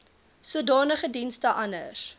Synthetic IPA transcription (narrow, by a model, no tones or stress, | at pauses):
suədɑːnəχədinstəʔɐnə̰s